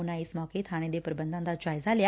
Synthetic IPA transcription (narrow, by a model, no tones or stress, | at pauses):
unãɪsmɔːket̪ʰaːɽ̃ẽd̪epəɾəbənd̪ãnd̪ad͡ʒaːjzalja